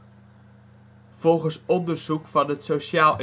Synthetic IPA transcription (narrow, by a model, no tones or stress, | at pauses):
v̥ɔlˠɣənsɔndərzukfɑnətsosjaːlˠ